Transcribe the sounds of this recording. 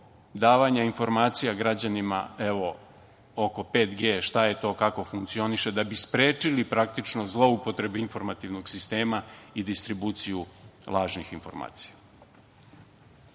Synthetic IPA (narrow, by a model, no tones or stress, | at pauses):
d̪aːʋaɲainfo̞ɾmaːt̪sijaɡɾad͡ʑanima̰eʋo̞ | oko̞pe̞ːt̪ɡe̞ːʃt̪ajet̪o̞ːkako̞fuŋkt̪sio̞niʃe̞d̪abispɾe̞ːt͡ʂilipɾakt̪it͡ʂno̞zlˠo̞upo̞t̪ɾe̞beinfo̞ɾmat̪iʋno̞ɡsist̪e̞ːmaid̪ist̪ɾibuːt̪sijulˠaːʒnixinfo̞̰ɾma̰ːt̪si̥ja